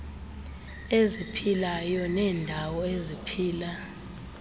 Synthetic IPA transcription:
ezipʰilajɔnɛːndʱawɔezipʰiːla

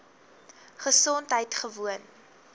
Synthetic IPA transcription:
χəsɔntɦəjtχəvuən

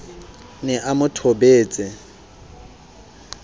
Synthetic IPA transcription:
nɛʔamʊtʰobeːt͡sʼɪ

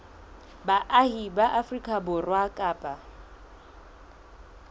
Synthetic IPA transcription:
baʔahibaʔafrikʼabʊrwakʼaːpʼa

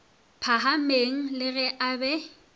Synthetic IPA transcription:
pʰaɦameŋ̩lɪɣɛʔabɛ

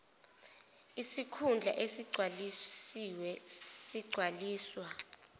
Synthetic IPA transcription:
isikʰund͡ɮʱa̰ʔesiɡ͡ǀʱwalisiwɛsiɡ͡ǀʱwaliːswa

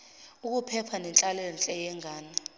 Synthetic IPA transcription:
uk̬ʼupʰɛpʰanɛnt͡ɬʼalɛnt͡ɬʼɛjɛŋɡʱaːni

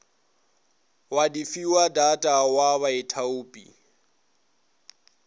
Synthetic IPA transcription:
wadifiwadatʼawaβaetʰauːpʼḭ

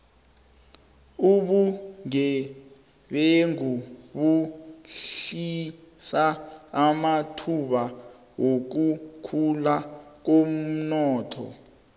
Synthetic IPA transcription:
uɓuŋɛ | ɓeŋuɓuɬi | saː | matʰuɓa | wok̬ukʰulak̬om̩nɔːtʰɔ̰

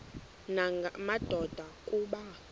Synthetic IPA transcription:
naŋʱamad̥ʱɔd̥ʱakʼuːɓa

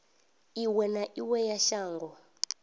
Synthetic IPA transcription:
iwɛnaʔiwɛjaʃaːŋɡɔ

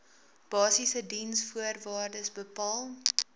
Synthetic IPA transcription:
b̥ɑːsisədinsfuərvɑːrdəsbəpɑːlˠ

